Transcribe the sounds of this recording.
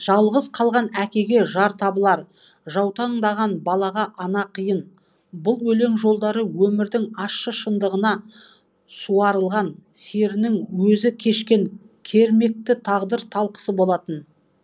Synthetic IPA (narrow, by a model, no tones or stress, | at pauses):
ʒ̥ɑlˠʁəzqʰɑlˠʁɑnækʲe̞ɡʲe̞ʒɑɾt̪ʰɑbəlˠɑɾ | ʒɑwt̪ɑɴd̪ɑʁɑnbɑlˠɑʁɑʔɑnɑqʰijən | bʊlˠwɵle̞ŋʒo̞lˠd̪ɑɾəwɵmɪɾd̪ɪŋɑʃːəʃənd̪əʁənɑ | suɑɾəlˠʁɑnse̞ɾɪnɪŋwɵzɪkʲʰe̞ʃkʲe̞ŋ | kʲʰe̞ɾme̞k̚t̪ɪt̪ʰɑʁd̪əɾt̪ʰɑlˠqə̥səbo̞lˠɑt̪ən